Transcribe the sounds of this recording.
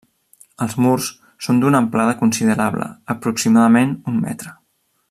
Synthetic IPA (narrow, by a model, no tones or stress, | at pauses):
əlˠzmursː | ond̪unəmplað̞əkunsiðəɾaβlə̰əpɾuksimaðəmenunmɛ̰t̪ɾə